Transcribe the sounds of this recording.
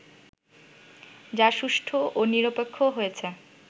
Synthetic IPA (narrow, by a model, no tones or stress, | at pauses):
d͡ʑaʃuʃʈʰoʔoniɾopekʰːoɦojet͡ɕʰe